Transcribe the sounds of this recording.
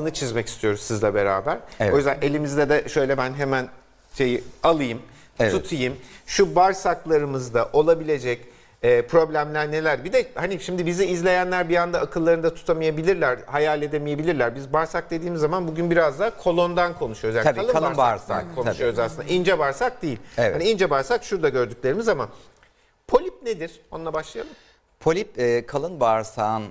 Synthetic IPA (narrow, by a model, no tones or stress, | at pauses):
ɯnɯt͡ʃʰizmɛci̥st̪ʰijo̞ɾuzsizlʲɛbe̞ɾa̰ːbæɾojyzd̪ænʔe̞lʲimizd̪ɛd̪ɛʃø̞jlʲɛbænɦemæn | ʃe̞jialˠɯjɯm | t̪ut̪ʰɯjɯmʃubaɾsaklˠaɾɯmɯzd̪aʔo̞lˠabilʲe̞d͡ʒɛc | ɛːpʰɾo̞blʲæmlʲæɾne̞lʲæɾbid̪ɛhaniʃimd̪ibiziːzlʲe̞jænlʲæɾbijand̪aakʰɯlˠːaɾɯnd̪at̪ʰu̥t̪ʰamajabilʲiɾlʲæɾhajalʲe̞d̪e̞mije̞bilʲiɾlʲæɾbizbaɾsak̚d̪e̞d̪iːmizːamanbuɟynbiɾazd̪akʰo̞lˠo̞nd̪ankʰo̞nuʃujouzjaaalˠɯalbaɾsa̰kʰo̞nʃujo̞ɾuzasɯnaind͡ʒɛbaɾsak̚d̪ejilʲhaniind͡ʒɛbaɾsakʃuɾd̪aɟø̞ɾd̪ykʲlʲe̞ɾimizaman | pʰo̞lʲip̚ned̪iɾ̥onulˠabaʃlˠɯja̰lˠɯm | pʰolʲip̚ɛːkʰalˠɯnbaɾsaːn